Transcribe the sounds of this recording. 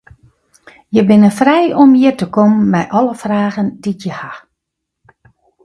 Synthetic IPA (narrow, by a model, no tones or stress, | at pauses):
jəbɪnəfrɛjɔmjətəkɔmːɛjʔɔləfraːɣənditjəha